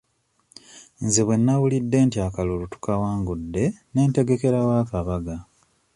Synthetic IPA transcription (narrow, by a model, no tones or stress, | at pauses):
nziβwe̞nːawulidːe̞ːntiakalolutu̥kawaːŋɡudːe̞ne̞ːnte̞ɡe̞ke̞ɾawaːkaβaɡa